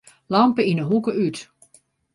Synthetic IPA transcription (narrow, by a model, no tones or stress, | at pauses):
lɑmpəinəɦukəyt